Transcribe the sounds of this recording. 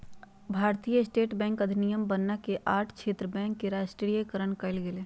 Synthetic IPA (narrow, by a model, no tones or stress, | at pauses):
bʱaːɾt̪ijəsʈeːʈbɛ̃ːŋkɐd̪ʱɪnijəmbɐnːakeʔaːʈʰkt͡ʃʰeːt̪ɾəbɛ̃ːŋkːeɾaːʃʈɾijəkəɾəɳkɐɪlɡɪleː